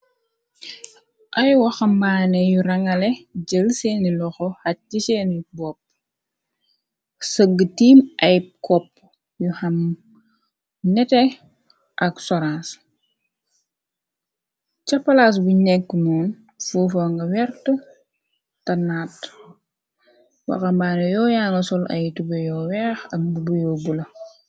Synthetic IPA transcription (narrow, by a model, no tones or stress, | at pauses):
ʔɐjwɐxɐmbaːnɛjuɾɐŋɐlɛd͡ʒəlseːnilɔxɔhɐisenibɔp̚ | səɡːətiːmɐjkɔpː | juhɐm | nɛtɛ | ʔɐksɔɾãns | cɐpːɐlaːs̬bunɛkːnɔːn | fuːfɐŋɡɐwɛrtə | tɐnaːt | wɐ̰kɐmbaːnɐjɔːjaːŋɡɐsɔlʔɐ̰jtubɐjɔːwɛːxɐk̚bubujɔbulɐ